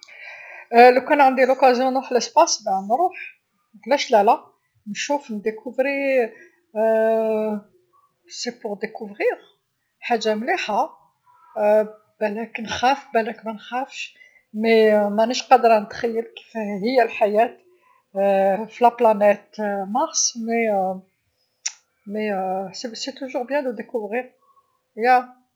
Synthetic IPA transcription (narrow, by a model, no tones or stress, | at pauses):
lukænʕənd̪ilʊkæzjɔ̃nuħləspɑsbænɾˤuħ | ɡlæʃlælæ | nʃufnd̪ekʰuvɾi | sepʊʁd̪ekuvʁiʁ | ħaʒːamliħa | bælæknxæfbælækmænxæfʃ | memænəʃqɑd̪ːəɾˤnət̪xæjːəlki̥fɦəjːælħajæt̪ | filæplɑnæt̪mɑʁsˤme | meseset̪uʒuʁbjæ̃d̪əd̪ekuvʁiʁ | jæ